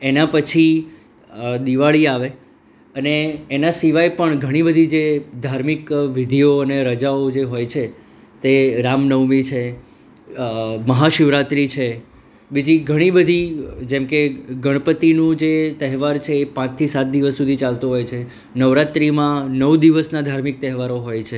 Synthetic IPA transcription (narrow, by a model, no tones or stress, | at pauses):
enãpət͡ʃʰi | d̪iʋaɭiaʋe | əneːnasiʋajpəɳɡʱəɽ̃ibəd̪ʱid͡ʒed̪ʱaɾmikʋɪd̪ʱijoəneɾəd͡ʒaod͡ʒeɦojt͡ʃʰe | t̪eɾamnəʋmit͡ʃʰe | məɦaʃɪʋɾat̪ɾit͡ʃʰe | bid͡ʒiɡʱəɽ̃ibəd̪ʱid͡ʒɛmkeɡəɽ̃əpət̪inũd͡ʒet̪əɦɛʋaɾt͡ʃʰeːpãt͡ʃt̪ʰisat̪̚d̪iʋəsːud̪ʱit͡ʃalt̪uɦojt͡ʃʰe | nəʋɾat̪ɾimãnəʋd̪iʋəsnad̪ʱaɾmɪk̚t̪ɛɦɛʋaɾoɦojt͡ʃʰe